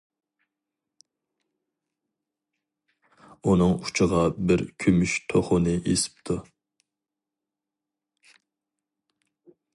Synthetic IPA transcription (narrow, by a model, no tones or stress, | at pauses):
unɨŋu̥t͡ʃʰəʁɑbɪɾkʲʰømyʃt̪ʰoχʊnɨʔesɪ̥p̚t̪ʰu